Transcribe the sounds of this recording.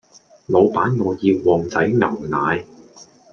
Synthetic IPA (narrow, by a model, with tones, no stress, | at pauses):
lo˨˧wpaː˨˥nŋɔː˨˧jiː˧wːɔː˨˩ŋt͡sɐ˨˥jŋɐ˨˩wnaː˨˧j